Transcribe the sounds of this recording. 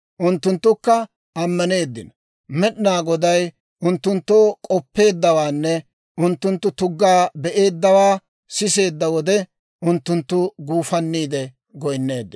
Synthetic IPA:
ʔʊnt̪ːʊnt̪ːʊkːɐ | ʔɐmːɐne̞ːd̪ːɪ̰nɐ | mɛɗɪnaːɡɔd̪ɐj | ʊnt̪ːʊnt̪ːoːkʼɔpːe̞ːd̪ːɐwaːnːɛ | ʔʊnt̪ːʊnt̪ːʊt̪ʊɡːaːbɛʔe̞ːd̪ːɐwaː | sɪse̞ːd̪ːɐwɔd̪ɛ | ʔʊnt̪ːʊnt̪ːʊɡuːfɐnːiːd̪ɛ | ɡɔjnːe̞ːd̪ːɪn

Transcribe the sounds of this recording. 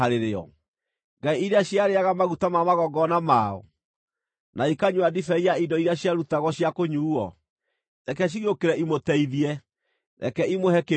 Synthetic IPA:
aɾeɾeɔ̰ | ŋɡaiiɾeaɕjaɾeaɣamaɣutamamaɣɔɡɔnamaɔ̰ | naikaɲwadifɛiaidɔiɾeaɕjaɾutaɣɔɕjakoɲuːɔ | nɛkɛɕ̬iɣiokeɾɛʔimotɛiðiɛ | nɛ̰kɛimohɛke

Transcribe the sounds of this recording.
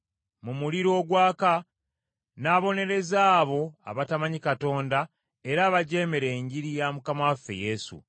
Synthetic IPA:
mumuliɾo̞ːɡwaːka | naːβo̞ne̞ɾe̞zaːβo̞a̰βatamaɲikato̞ːnda | e̞ɾaːβaɟe̞ːme̞ɾe̞ːɲɟiɾijamukamafːe̞̰je̞sṵ

